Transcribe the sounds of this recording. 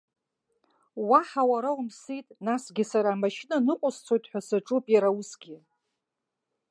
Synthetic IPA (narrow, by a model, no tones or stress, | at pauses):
waħawaɾaumsitʼnasɡʲɪsaɾaːmaʃinanɨqʷʼʊst͡sʷʰojtʼħʷᶣasɨʈ͡ʂʼupʼjaɾawʊsɡʲɪ